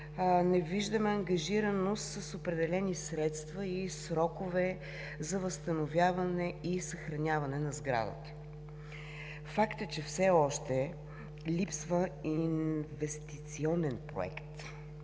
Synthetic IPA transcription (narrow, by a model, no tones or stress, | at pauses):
nɛviʒd̪əmɛɐŋɡɐʒiɾənost̪səsopɾɛd̪ɛlɛnisɾɛt̪st̪vɐisɾɔkʊvɛ | zɐvəst̪ɐnovʲjavɐnɛisɐxɾɐnʲavɐnɛnɐzɡɾa̰d̪ə̰t̪ə̥ | fakt̪ət͡ʃɛfsɛɔʃt̪ɛ | lipsvəinvɛst̪it̪siɔnɛnpɾo̰ɛ̰kt̪